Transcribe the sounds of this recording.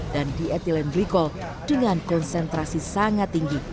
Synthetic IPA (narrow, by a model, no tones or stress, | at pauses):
d̥andiɛt̪ilɛnbɾikɔl | d̥əŋankɔnsɛnt̪ɾasisaŋat̪ːiŋɡi